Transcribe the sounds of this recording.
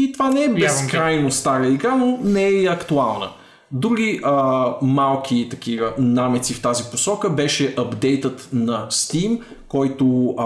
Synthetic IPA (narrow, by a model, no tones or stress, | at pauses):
it̪ovanɛɛbɛskɾɾajnost̪aɾəiɡɾanonɛɛɐkt̪ualˠnə̰ | d̪ɾuɡʲiʔəmalˠkʰit̪ɐk̟ʰivənamɛt̪sift̪aziposɔkəbɛʃɛʔɐbd̪ɛjt̪ət̪nɐst̪im | kɔjt̪o